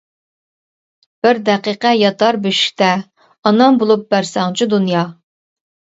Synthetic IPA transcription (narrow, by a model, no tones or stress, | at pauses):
b̥ɪɾd̪ɛqiqɛjɑt̪ʰɑɾbyʃi̥kʲt̪ɛ | ɑnɑmbolˠup̚bæɾsɑŋt͡ʃʰid̪unjɑ